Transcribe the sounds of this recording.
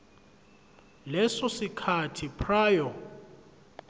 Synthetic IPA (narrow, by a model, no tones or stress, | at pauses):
lɛsɔsikʰatʰipʰraːjɔ